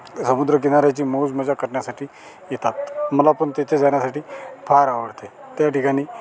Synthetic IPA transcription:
səmud̪ɾək̬inaɾat͡ɕiːmod͡zməd͡ʑakəɾɳjasaʈiː | jet̪at̪məlapəɳt̪et͡ɕed͡zaɳjasaʈiːfʰaɾaʋəɽt̪e | t̪jaʈikaɽ̃iː

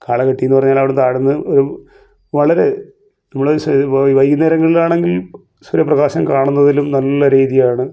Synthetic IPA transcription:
kaːɭɐkɐʈːijunːɨpɐrɐɲːaːlɐʋiɽet̪aːɽunːɨoɾu | ʋɐɭɐɾe̞ | nɐmːɐɭsʋɐjkineːɾɐŋːɐɭilaːɳe̞ŋɡil | sɐɾjɐprɐɣaːɕɐmkaːɳunːɐðilumnɐlːɐɾiːðijaːɳɨ

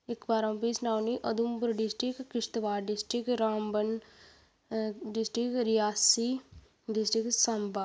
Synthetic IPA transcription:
ɪkbaːɾə̃mpisnaːwniʔɐd̪umbʊɾɖɪsʈɾɪkːɪʃt̪ʋaːɾɖɪsʈɾɪkɾaːmbən | ɖɪsʈɾɪkɾijaːsi | ɖɪsʈɾɪksamba

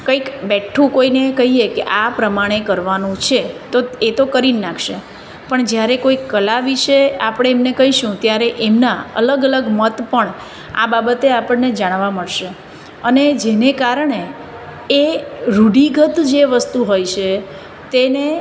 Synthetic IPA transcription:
kəikbɛʈʰːũkoinekəɦiekeʔapɾəmaɽ̃ekəɾʋanũt͡ʃʰet̪oet̪okəɾinnakʰʃe | pəɳd͡ʒjaɾekoikːəlaʋiʃeapəɽ̃eːmnekəɦiʃũt̪jaɾeʔemnaə̰ləɡələɡmət̪pəɳ | a̰babət̪eapəɳned͡ʒaɽ̃ʋaməɽʃe | əned͡ʒenekaɾəɳeː | ɾuɽiɡət̪d͡ʒeʋəst̪uɦojt͡ʃʰe | t̪ene

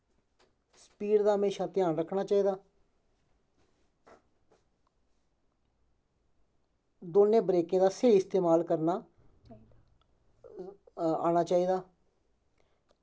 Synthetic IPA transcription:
spiːɖd̪aːɦəmeːʃaːt̪ɪjaːnɾəkʰnaːt͡ʃaːiːd̪aː | d̪oːnːẽːbɾeːkẽːd̪aːseːɪst̪eːmaːlkəɾnaː | a̰ːɽ̃aːt͡ʃaːiːd̪aː

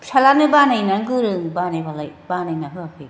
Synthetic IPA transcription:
sʰalanɯbanajnaŋɡɯɾɯŋbanajbalajbanajnaɦɯapʰɯ

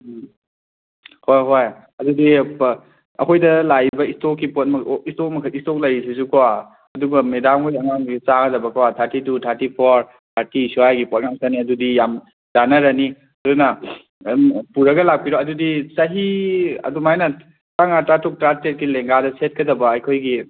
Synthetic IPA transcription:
hojɦoj | ɐdudi | ɐ̰kʰojdɐlajbɐistokːipot̚mɐistok̚mɐkʰɐistok̚lɐjsis̬ukawa | ɐduɡɐmedamujaŋanut͡ʃaɡɐdɐbɐkawatʰaɾtitutʰaɾtipʰoɾ | tʰaɾtisuhajɡipɔt̚ŋaŋsaniɐdudijam | zanɐɾɐni | ɐdunɐ | puɾɐɡɐlak̚piɾoɐdudisɐɦiɐ̰dumajnɐ | taŋatɾatok̚tɾatet̚kileŋɡadɐset̚kʰɐdɐbɐːjkʰojɡi

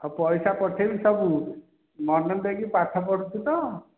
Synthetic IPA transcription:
ɔpɔjsapɔʈʰebisɔbu | mɔnɔnd̪eɡipaʈʰːɔpɔɽut͡ʃʰit̪ɔ

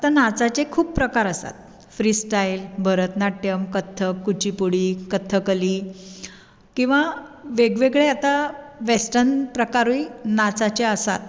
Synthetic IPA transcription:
at̪anat͡sat͡ɕekʰuːb̚pɾəkaɾəsa̰t̪̚ | fɾiːsʈajlbʱəɾət̪naʈjəmkət̪ʰːəkːut͡ɕipuɽiːkət̪ʰːəkəliː | kĩw̃ʋa | ʋeɡʋeɡɭeat̪aʋesʈənpɾəkaɾuinat͡sat͡ɕeəsa̰t̪̚

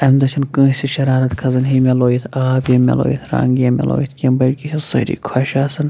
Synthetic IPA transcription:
ɐmd̪ɐt͡ʃʰinkə̃ːsiʃɐɾaːɾɐt̪kʰɐzɐnɦimʲeloːjit̪ʰaːbjɐmʲɐ̰lo̰ːjit̪ʰɾa̰ːŋɡjɐmḛlo̰ːjit̪ʰkʲembɐɾkiʃʰisə̰ɾḭkʰwɐʃaːsɨn

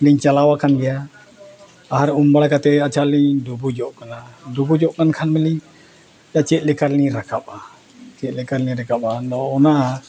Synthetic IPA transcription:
liɲt͡ʃalawakʰanɡɛja | aɦaɾumbaɽkat̪ɛat͡ʃʰalid̪ubud͡ʒɔʔkanad̪ubud͡ʒɔʔkankʰanmɛli | jat͡ʃɛʔ̪̚lɛkaɾniɾakapa | t͡ʃɛʔ̪lɛkaɾliɾakap̚anɔɔnaʔ

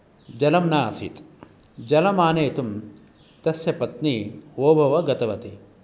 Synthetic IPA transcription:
d͡ʒɐlɐmnaːsḭt̪d͡ʒɐlɐmaːneːt̪um | t̪ɐsjɐpɐt̪nioːbʱɐʋɐɡɐt̪ɐʋɐt̪i

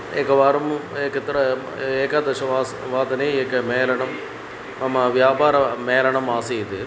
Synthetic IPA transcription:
eːkːɐʋaːɾɐmeːkːɐt̪ːɾɐ | eːkaːd̪ɐʂɐʋaːsʋaːd̪ɐneekːɐmeːlɐɳɐm | ɐmɐʋjaːbaːɾɐmeːlɐɳɐmaːsɐjɐt̪ɯ

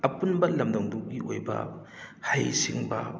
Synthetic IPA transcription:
ɐpunbɐlɐmdɐŋduk̚ɡiʔojbɐ̰ | hajsiŋbɐ̰

